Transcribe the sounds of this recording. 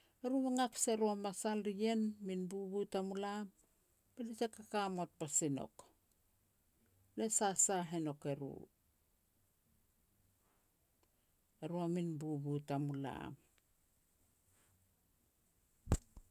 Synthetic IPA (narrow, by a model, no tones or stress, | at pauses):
eɾuβaŋakseɾuamasalɾie̞nminbuβutamulam | b̥elit͡ʃekakamot̚pasino̞̰k | le̞sasaɦeno̞ke̞ɾṵ | eɾuaminbubutamula̰m